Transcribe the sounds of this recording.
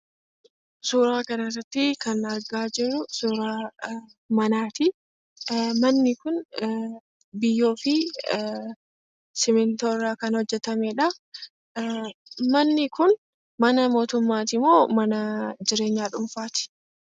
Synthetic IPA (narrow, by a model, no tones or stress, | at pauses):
suːɾaːkɐnɐrɐt̪ːɪkɐnɐɾɡaːd͡ʒɪrːʊsuːɾaː | mɐnaːt̪ɪ | mɐnːɪkʊn | bɪjːo̞ːfɪ | sɪmɪnt̪oːrːaːkɐnhɔd͡ʒːɛt̪ɐmɛːᶑɐ | mɐnːɪkʊn | mɐnɐmo̞ːt̪ʊmːaːt̪̬ɪmoːmɐnɐd͡ʒɪɾe̞ːɲːaːᶑʊɱfaːt̪ɪ̥